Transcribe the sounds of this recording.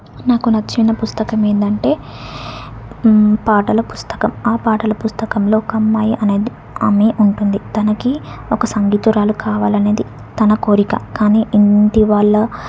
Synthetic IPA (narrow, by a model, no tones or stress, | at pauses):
naːkunɐt͡ʃːinːɐpust̪ɐkɐme̞ːnd̪ɐɳʈe̞ː | paːʈɐlɐpust̪ɐ̥kɐmaːpaːʈɐlɐpust̪ɐkɐmlo̞ːkɐmːaːjiʔɐne̞ːd̪i | ɐːmeːʔuɳʈund̪it̪ɐnɐkiɔkɐsɐŋɡiːt̪uɾaːlukʰaːʋaːlɐne̞ːd̪i | t̪ɐnɐko̞ːɾikɐ̰kaːniːʔinʈiʋaːɭːɐ